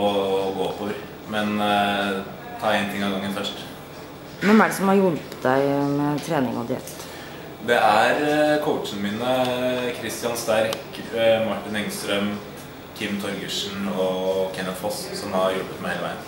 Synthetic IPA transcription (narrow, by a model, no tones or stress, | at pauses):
ɔɡoːɔpːɔʋəɾ | mɛn | t̪ʰɑːɛnt̪ʰɪŋːɑɡɑŋːənfœʂʈ | ʋɛnæɖɛsɔmhɑɾjʊlpət̪d̪æɪmɛt̪ʰɾeːnɪŋɔd̪ɪɛ̰t̪ː | d̪ɛʔæɾkʰɔʊtt͡ʃənmiːnəkʰɾɪst̪ɪɑnst̪æɾk | mɑʈːɪnɛŋst̪ɾœm | kʰɪmːt̪ʰɔɾɡəʂn̩ɔkʰɛnət̪fɔssɔmhɑɾjɔlbət̪̚mɛheːləʋæɪən